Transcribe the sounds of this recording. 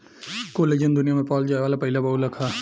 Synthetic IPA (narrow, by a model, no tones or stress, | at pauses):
koːleːd͡ʒənd̪ʊnijamẽpɔːld͡ʒaːeʋaːlapɐɦɪlabɐɦulɐkʰaː